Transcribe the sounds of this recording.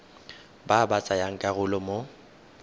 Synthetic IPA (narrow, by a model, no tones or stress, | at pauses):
babat͡sʼajaŋ̩kʼaɣʊlɔmo